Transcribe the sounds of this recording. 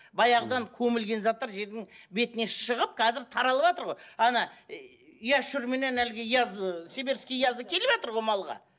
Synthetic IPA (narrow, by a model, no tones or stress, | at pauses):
bɑjɑʁəd̪ɑŋkʲʰɵmɪlɡʲe̞nzɑt̪ːɑɾʒe̞ɾd̪ɪŋbe̞t̪ɪne̞ʃəʁəp̚qʰɑzɪɾt̪ʰɑɾɑlˠəβɑt̪əɾʁo̞jɑnɑ | jɑʃʏɾme̞ne̞nælɡʲɪjɑzse̞beɾskʲejɑzəkʲʰe̞lɪbɑt̪əɾʁo̞jmɑlˠʁɑ̰